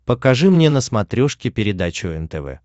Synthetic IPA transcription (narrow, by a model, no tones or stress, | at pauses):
pəkɐʐɨmnʲenəsmɐt̪ɾʲoʂkʲɪpʲɪɾʲɪd̪at͡ɕʊɛnt̪ɛvɛ̰